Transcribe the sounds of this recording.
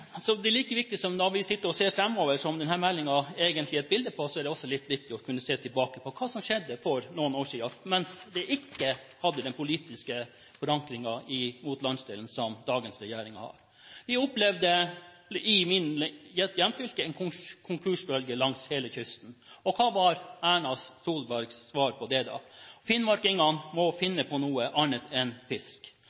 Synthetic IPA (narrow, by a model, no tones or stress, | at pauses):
sɔd̪ɛæɭiːkəʋɪk̚t̪ɪsɔmnɔɾʋɪsɪt̪ːəɾɔseːfɾɛmːɔːʋəʂɔmd̪ɛnhæːɾmɛlːɪŋɑɛːɡənt̪lɪɛt̪̚bɪld̪əpʰɔsɔæɖɛɔsːɔlɪt̪ːʋɪk̚t̪ɪɔkʰʉnːəseːt̪ʰɪlbɑːkəpʰɔkʰɑːsɔmʂɛd̪ːəfɔɾnuːənoːʂiːɑmɛnsd̪ɛʔɪkːəhɑd̪ːəd̪ɛnpʰʊliːt̪ɪskə | fɔɾɑŋkɾɪŋɑɪmuːt̪lɑnsd̪eːlən̩sɔmd̪ɑːɡənsɾɛjeːɾɪŋɑ̰hɑ̰ːɾ | ʋɪʊplɛʋd̪ə | ɪmɪnjɛt̪jɛmːfʏlkəɛnkʰʊŋkʰʉʂbœlɡəlɑŋsheːləçʏst̪n̩ɔkʰɑːʋɑɾæːɳɑsːuːlbæɾɡsːʋɑːɾpʰɔd̪ɛd̪ɑ̰fɪnmɑɾkɪŋɑnmɔfɪnːəpʰɔnuːəʔɑɳət̪ʰɛnfɪsk